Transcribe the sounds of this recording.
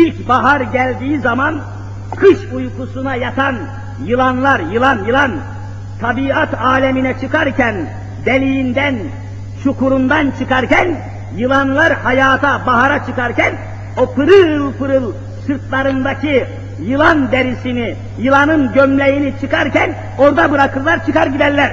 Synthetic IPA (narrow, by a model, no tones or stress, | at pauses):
ilʲcbaɦaɾɟælʲd̪iːizaman | kʰɯʃujkusunajat̪ʰan | jɯlˠanlˠaɾjɯlˠanjɯlˠan | t̪ʰabiat̪ʰaːlʲɛminɛt͡ʃʰɯkaɾcʰæn | d̪elʲijind̪æn | t͡ʃʰukʰuɾund̪ant͡ʃʰɯkaɾcæn | jɯlˠanlˠaɾhajaːt̪ʰabaɦaɾat͡ʃʰɯkaɾcʰæn | o̞pʰɯɾɯlˠpɯɾɯlˠ | sɯɾt̪lˠaɾɯnd̪acʰi | jɯlˠand̪eɾisini | jɯlˠanɯnɟømlʲejinit͡ʃʰɯkaɾcʰæn | o̞ɾd̪abɯɾakʰɯlˠlːˠaɾt͡ʃʰɯkaɾɟid̪ælʲːæɾ̥